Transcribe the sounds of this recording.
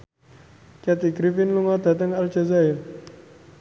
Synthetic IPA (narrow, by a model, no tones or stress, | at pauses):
kiat̪ikɾifɪnluŋɔd̪̥a̤t̪əŋald͡ʒa̤zaɪl